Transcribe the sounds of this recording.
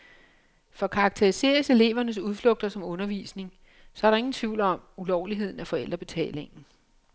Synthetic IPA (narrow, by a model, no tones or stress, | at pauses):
fɒ̽kʰɑ̈ɡ̥̚t͡sʰeʁise̝̰ɐse̝le̝̰ːʋɐnəs̬uðˠflɔ̽ɡ̥̚d̥ɐsɒ̽mɔ̽nɐʋḭːsne̝ŋ | sɒ̽æɐɾɑ̈e̝ŋn̩t͡sʰʋḭʊlɒ̽mulɒʊliɦe̝ð̞̰ˠn̩æfɒ̽el̰d̥ʁɐb̥e̝t͡sʰɛ̰ːle̝ŋn̩